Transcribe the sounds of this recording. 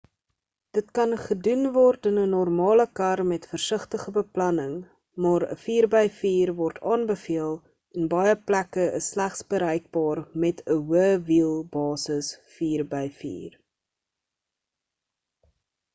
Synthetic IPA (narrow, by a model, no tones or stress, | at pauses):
d̥ətkɐnχədunvɔrtənənɔrmɑːləkɐrmɛtfərsəχtəχəbəplɐnəŋ | mɑːɾə̰fiːrbəjfiːrvɔrtʰɑːnbəfiəlˠ | ɛnbɐjəplækəəsːlæχsbəɾɛjk̚bɑːrmɛtʰəwəvilˠbɑːsəsfiːrbɛjfḭːr